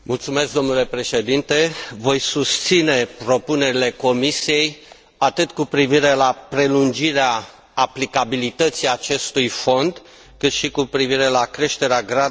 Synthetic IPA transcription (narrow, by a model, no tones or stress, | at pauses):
mult̪sume̞sk̚d̪o̞mnule̞pɾe̞ʃe̞d̪int̪e̞vo̞jsust̪sine̞pɾo̞pune̞ɾile̞ko̞misije̞j | at̪ɨt̪kupɾiviɾe̞lapɾe̞lund͡ʒiɾeaː | plikabilit̪ət̪siat͡ʃe̞st̪ujfo̞nd̪ | kɨt̪ʃikupɾiviɾe̞lakɾe̞ʃt̪e̞ɾeaɡɾa